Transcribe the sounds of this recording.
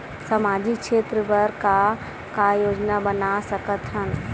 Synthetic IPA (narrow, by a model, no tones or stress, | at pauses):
sɐmaːd͡ʒikʃeːt̪ɾəbəɾka | kajoːd͡ʒnabənasəkət̪ɦən